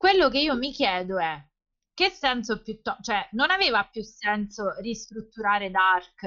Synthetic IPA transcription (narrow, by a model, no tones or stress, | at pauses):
kwelːok̬eiːomikjɛːd̪oɛ | k̟ːesːɛnsopjut̪ːɔt͡ʃoɛnonaveːvapːjusːɛnsorist̪ɾut̪ːuɾaːɾed̪ark